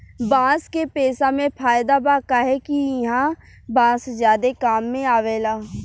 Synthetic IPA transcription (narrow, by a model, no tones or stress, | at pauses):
bãːskeːpeːsaːmẽːpʰaːɪd̪aːbaːkaːɦɛːkiɪɦãː | bãːszjaːd̪eːkaːmːẽːaːʋeːlaː